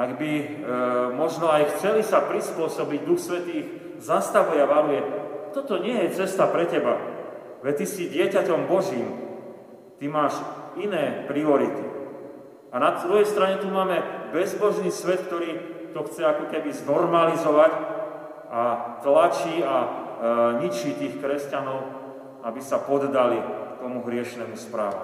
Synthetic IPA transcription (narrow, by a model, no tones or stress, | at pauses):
aɡbi | mɔʒnɔajxt͡sɛlisapɾispʊɔsɔbiɟd̪uxsʋɛt̪iːɣ | zast̪aʋujɛaʋalujɛt̪ɔt̪ɔɲɪɛjɛt͡sɛst̪apɾɛcɛba̰ | ʋɛt̪isiɟɪɛcacɔmbɔʒiːm | t̪imaːʃinɛːpɾiɔɾit̪i | anad̪ɾujɛjst̪ɾaɲɛt̪umaːmɛbɛzbɔʒniːsʋɛt̪k̚t̪ɔɾiːt̪ɔxt͡sɛakɔkɛbiznɔɾmalizɔʋac | ʔat̪lat͡ʃiːa | ɲit͡ʃit̪iːxkɾɛscanɔʊ | abisapɔd̪d̪alikt̪ɔmuɦɾɪɛʃnɛmuspɾa̰ːʋṵ